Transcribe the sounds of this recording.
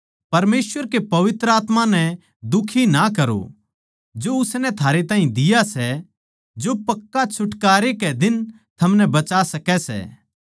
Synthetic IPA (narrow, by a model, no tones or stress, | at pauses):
pɐɾmeːswəɾkepɐʋɪt̪ɾəaːt̪mãnɛ̃ | d̪ʊkʰinakɐɾo̰ | d͡ʒoʊsnɛ̃t̪ʰaːɾet̪aːɦĩd̪ɪjasɛ | d͡ʒopɐkːat͡ʃʰʊʈkaːɾekɛd̪ɪn | t̪ʰɐmnɛbɐt͡ʃasɐkɛsɛ̰ː